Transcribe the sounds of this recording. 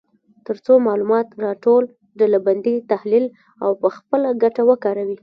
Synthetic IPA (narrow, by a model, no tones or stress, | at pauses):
t̪əɾt͡somɑlumɑt̪ɾɑʈol | ɖalaband̪it̪ahlil | a̰wpəxpəlaɡaʈawəkɑɾawi